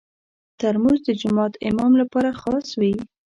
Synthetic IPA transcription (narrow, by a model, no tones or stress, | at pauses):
t̪əɾmuzd̪əd͡ʒʊmɑt̪ɪmɑmlapɑɾaxɑswi